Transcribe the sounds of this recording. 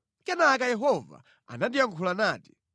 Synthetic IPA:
kɛnaːkajɛɦɔva̰ | a̰nandijaŋkʰulanaːti̥

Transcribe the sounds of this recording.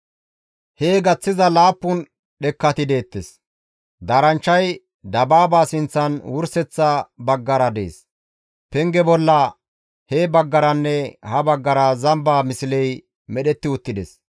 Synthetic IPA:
heːɡɐt͡sːɪzɐlaːpːʊn | ɗɛkːɐt̪ɪd̪e̞ːt̪ːɛs | d̪aːɾɐnt͡ʃːɐj | d̪ɐbaːbaːsɪnt͡sːɐnwʊɾsɛt͡sːɐbɐɡːɐɾɐd̪e̞̰ːs | pɛŋɡɛbɔlːɐ | heːbɐɡːɐɾɐnːɛhɐbɐɡːɐɾɐzɐmbaːmɪsɪlɛj | mɛɗɛt̪ːɪʊt̪ːɪd̪ɛs

